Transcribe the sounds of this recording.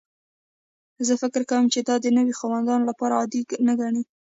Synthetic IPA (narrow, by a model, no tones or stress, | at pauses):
zəfɪkɪɾkawəmt͡ʃed̪ɑd̪ənəwixawand̪ɑnolapɑɾaɑd̪iɡnəɡaɳi